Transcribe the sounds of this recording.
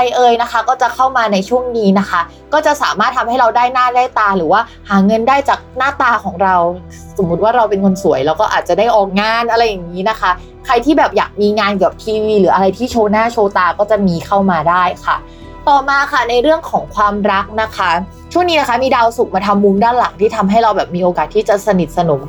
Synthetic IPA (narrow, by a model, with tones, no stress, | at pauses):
a˧jʔɤː˧jna˦˥xʰa˦˥kɔː˥˩t͡ɕa˨˩kʰa˥˩wmaː˧na˧jt͡ɕʰu˥˩əŋniː˦˥na˦˥kʰa˦˥ | kɔː˥˩t͡ɕa˨˩saː˩˦maː˥˩t̪̚ʰa˧mha˥˩jɾa˧wdaː˥˩jnaː˥˩daː˥˩jt̪aː˧ɾɯː˩˦waː˥˩ | haː˩˦ŋɤ˧ndaː˥˩jt͡ɕaː˨˩k̚naː˥˩t̪aː˧kʰɔː˩˦ŋɾa˧w | so˨˩˦mːu˦t̪̚waː˥˩ɾa˧wpe˧nŋo˧nsu˨˩˦əjlɛː˦˥wkɔː˥˩ʔaː˨˩t̪̚t͡ɕa˨˩daː˥˩jʔɔː˨˩k̚ŋaː˧nʔa˧ɾa˧jːa˨˩ŋːiː˦˥na˦˥kʰa˦˥ | kʰɾa˧jt̪ʰiː˥˩bɛː˨˩p̚jaː˨˩k̚miː˧ŋaː˧nkɯ˨˩p̚t̪ʰiː˧wiː˧lɯː˩˦ʔa˧ɾa˧jt̪ʰiː˥˩t͡ɕʰoː˧naː˥˩t͡ɕʰoː˧t̪aː˧kɔː˥˩t͡ɕa˨˩miː˧kʰa˥˩wmaː˧daː˥˩jkʰa˥˩ | t̪ɔː˨˩maː˧kʰa˥˩na˧jɾɯ˥˩əŋkʰɔː˩˦ŋkʰwaː˧mɾa˦˥k̚na˦˥kʰa˦˥ | t͡ɕʰu˥˩ŋni˦˥na˦˥kʰa˦˥miː˧daː˧wsu˨˩k̚maː˧t̪ʰa˧mːu˧mdaː˥˩nla˩˦ŋt̪ʰiː˥˩t̪ʰa˧mɦa˥˩jɾa˧wbɛː˨˩p̚miː˧ʔoː˧kaː˨˩t̪ʰːiː˥˩t͡ɕa˨˩sa˧ni˨˩t̪̚sa˧no˩˦m